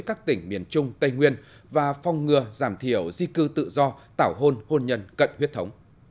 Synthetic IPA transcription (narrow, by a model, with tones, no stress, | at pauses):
jkaː˦˥k̚t̪ï˧˩ŋ̟mḭ˨˧˩ənt͡ɕʊ˧ŋ͡mt̪ə˧jŋwi˧ən | vaː˨˩fɔ˨˩wŋ͡mŋɨ˨˩əzaː˧˩mt̪ʰi˧˩əwzi˧kɨ˧t̪ɨ̰˧˨zɔ˧t̪aː˧˩wɦo˧nho˧nɲə˧nkə̰˧˨nhwi˥t̚t̪ʰə˨˦wŋ͡m